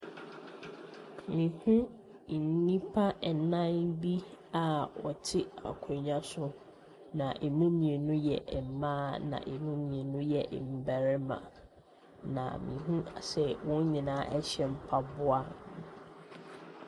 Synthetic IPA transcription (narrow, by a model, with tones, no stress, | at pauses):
mĩ˨hũ˦˨ | nĩ˦pʰa˦˨nã˦nbi˦a˨wɔ˨tʰɪ˦a̰˨kʰɔ̃˨ɲã˦sʊ˦ | nã˨ʔe˨mũ˦mĩ˨e˨nũ˦jɛ˨ʔm̩˨mãː˦nã̰˨ʔe˨mũ˦mĩ˨e˨nũ˦jɛ˨ʔm̩˨bæ˨ɾɪ˦mã̰˨ | nã̰˨mḭ̃˨ɦũ˦˨sɛ˨wʊ̃˦n˦ɲĩ˨nãː˦ʔɛ˦ɕɛ˦m̩˦pʰa˦bʊ˦a˦n˨